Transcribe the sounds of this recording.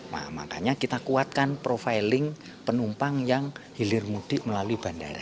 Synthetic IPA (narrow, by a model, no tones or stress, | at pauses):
ma̰ma̰ka̰ɲakit̪akuat̪̚kanpɾofajlɪŋ | pənumpaŋjaŋhilɪrmud̪̥ɪ̤ʔməlaluib̥a̤ndaɾa̰